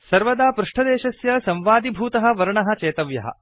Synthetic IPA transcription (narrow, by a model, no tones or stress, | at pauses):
sɐɾʋɐd̪aːpɾuʂʈʰɐd̪ɛːʃɐsjɐsɐmʋaːd̪ibʱuːt̪ɐɦɐ̆ʋɐɾɐɳɐɦɐ̆t͡ʃeːt̪ɐʋjɐ̰ɦɐ̰